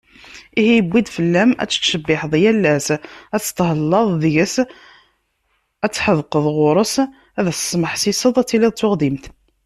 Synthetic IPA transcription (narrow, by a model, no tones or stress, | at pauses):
ihijəbːid̪fəlːæmæ̰t͡sːə̥ʃəbːɪħðˤjælːæsæt͡sːə̥t̪ɦəlːɑðˤðəʝəs | æt͡sːħəðqəðˤʁʊɾˤəs | æðæsə̥sˤməħsisəðˤæt͡sːiliðˤt̪ːʊʁd̪imt̪